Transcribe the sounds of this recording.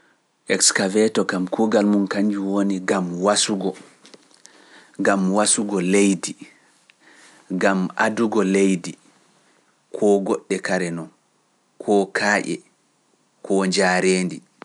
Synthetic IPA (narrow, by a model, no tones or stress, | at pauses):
ʔɛkskavɛtɔkamkʰuɡalmunkaɲd͡ʒuwoniɡamwasuɡɔ | ɡamwasuɡɔlejdi | ɡamʔa̰duɡɔlejdi | kʰɔːɡɔɗːɛkaɾɛnɔn | kʰɔkʰaːʔɛ̰ | kʰɔɲd͡ʒaːɾeːndḭ